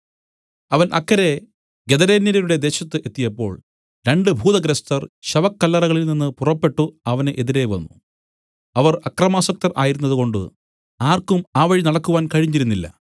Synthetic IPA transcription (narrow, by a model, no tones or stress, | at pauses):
ɐʋɐnʔɐkːɐɾe̞ | ɡed̪ɐɾeːnːɐɾɐɾuɽe̞d̪e̞ːɕɐt̪ːɨʔe̞t̪ːijɐpːo̞̰ːɭ | ɾe̞ɳɖɨbʱuːd̪ɐɡɾɐst̪ɐrɕɐʋɐkːɐlːɐrɐɣɐɭilninːɨpurɐpːe̞ʈːuɐʋɐnʔeðiɾe̞ʋɐ̰nːṵ | ɐʋɐrɐkrɐmaːsɐk̚t̪ɐrʔaːjiɾunːɐðuko̞ɳɖɨ̰ | aːrkumaːʋɐɻinɐɽɐkːuʋaːnkɐɻiɲːiɾunːilːɐ̰